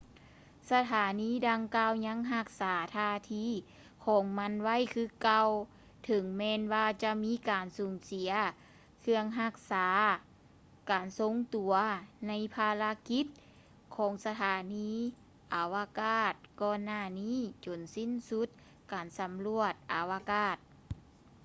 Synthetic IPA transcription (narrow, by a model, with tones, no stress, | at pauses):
sa˧t̪ʰaː˨˩˦niː˧˥˨da˧ŋkaː˧wɲa˧˥˨ŋɦa˧˩k̚saː˨˩˦t̪ʰaː˧˩t̪ʰiː˧˥˨ | kʰɔː˨˩˦ŋma˧˥˨nwa˧˥˨jkʰɯː˧˩ka˧w | t̪ʰɤ˨˧˦ŋmɛː˧nwaː˧t͡ɕa˧miː˧˥˨kaː˨˩nsuː˨˩ŋsi˨˦ɐ | kʰɯ˧əŋɦa˧˩k̚saː˩˨˦ | kaː˨nso˧˥ŋt̪u˨˩ɐna˧˥˨jpʰaː˧la˧˥ki˧˥t̪̚ | kʰɔː˨˦ŋsa˧t̪ʰaː˨˦niː˧˥ | ʔa˨˩wa˧kaː˧˩t̪̚kɔː˧˩nːaː˧˩niː˧˥˨t͡ɕo˨˩nsi˧˥˨nsu˧˦t̪̚ | kaː˨˩nsa˨˦mlu˧ət̪̚ʔa˨˩wa˧kaː˧˩t̪̚